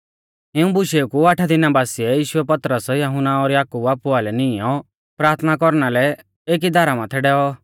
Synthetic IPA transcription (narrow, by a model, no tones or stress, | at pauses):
ɪũbʊʃeukuaʈʰad̪ɪnabaːsiɛjiːʃʊɛpɐt̪ɾəsjɐɦʊnːaɔɾjaːkubaːpʊalɛnɪɔ | pɾaːɾt̪ʰnakɔɾnalɛ | eːk̬id̪aːɾamãt̪ʰɛɖɛːɔ